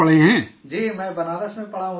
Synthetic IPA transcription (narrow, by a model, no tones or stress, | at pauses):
ɐɭ̤iɦɛ̃d͡ʒiːmɛ̃ːbɐnaːləsmẽpɐɽ̤aːũ